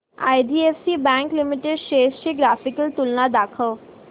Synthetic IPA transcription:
a̰jɖ̪iːefsibɛ̃ŋklimiʈeɖɕesɕiɡɾafikəlt̪ulnad̪akʰəʋ

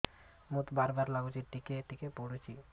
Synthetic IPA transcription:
mut̪baɾbaɾlaɡut͡ʃʰiʈikeʈikepoɽut͡ɕʰi

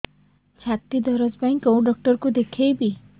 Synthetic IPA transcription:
t͡ʃʰat̪id̪ɔɾɔd͡ʒbajŋkowɖɔk̚ʈɔɾkud̪ekʰejbi

